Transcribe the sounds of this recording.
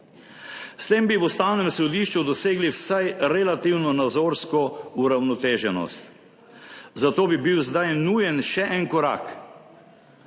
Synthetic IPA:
st̪eːmbiʋust̪aːwnɛmsɔd̪iʃt͡ʃud̪ɔseːɡliwsajɾɛlat̪iwnɔnad̪zoːɾskɔuɾawnɔt̪eːʒɛnɔ̰st̪ | zat̪oːbibiwzd̪ajnujɛnʃɛʔɛnkɔɾa̰ːk

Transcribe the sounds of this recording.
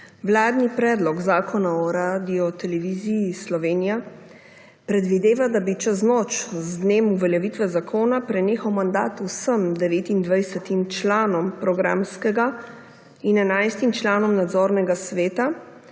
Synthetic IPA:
ʋlaːd̪nipɾɛːd̪lɔɡzaːkʰɔnaɔɾad̪iɔt̪ɛlɛʋizijislɔʋeːnija | pɾɛd̪ʋid̪eːʋad̪abit͡ʃəznɔːt͡ʃzd̪neːmuvɛljɛʋit̪ʋɛzakʰoːnapɾɛneːxɐwmand̪aːt̪usəmd̪ɛʋeːt̪ind̪ʋajsɛt̪imt͡ʃlaːnɔmpɾɔɡɾa̰ːmskɛɡa | inɛnajst̪imt͡ʃlaːnɔmnad̪zɔːɾnɛɡasʋeːt̪a

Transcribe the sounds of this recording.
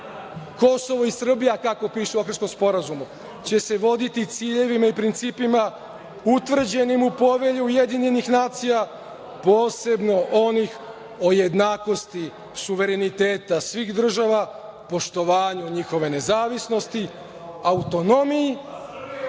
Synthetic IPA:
ko̞so̞ʋoisr̩bijakako̞piːʃeoksko̞mspo̞ɾazumu | t͡ɕe̞se̞ʋo̞d̪it̪it̪siːʎe̞ʋimaipɾint̪siːpima | ut̪vr̩d͡ʑe̞nimupo̞ʋe̞ʎuuje̞d̪iɲe̞nixnaːt̪sija | po̞ːse̞bno̞ʔo̞nix | o̞je̞d̪naːko̞st̪i | suʋe̞ɾe̞nit̪e̞ːt̪asʋixd̪r̩ʒaʋa | po̞ʃt̪o̞ʋaːɲuɲixo̞ʋe̞ne̞zaːʋisno̞st̪i | aut̪o̞no̞miji

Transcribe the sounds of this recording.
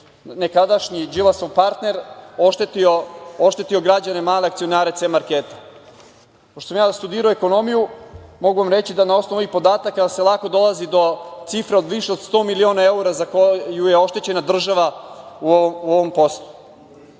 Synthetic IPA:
nekad̪aʃɲid͡ʒilasoʋpaɾt̪ne̞ɾoʃt̪et̪iooʃt̪e̞t̪io̞ɡɾad͡ʑane̞maːleakt̪sio̞naːɾet̪semaɾkeːt̪e̥ | poʃt̪oos̬amjaːst̪ud̪iːɾoeko̞no̞mijumo̞ɡuʋamɾe̞t͡ɕid̪anao̞snoʋuipo̞d̪aːt̪akːase̞lˠako̞d̪o̞lˠazid̪o̞t̪sifɾeo̞d̪ʋiʃeo̞d̪st̪o̞ːmilio̞ːnaeuɾazakojujeo̞ʃt̪e̞t͡ɕe̞nad̪r̩ʒaʋauooʋo̞mpo̞slˠu̥

